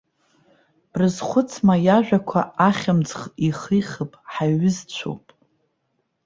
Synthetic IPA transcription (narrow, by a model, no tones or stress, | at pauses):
b̥rɨzχʷʊt͡sʰmajaʒᶣakʷʰaaχʲamd͡zχiχijχəpʼħaɥɪzt͡ʃʷʰo̰wpʼ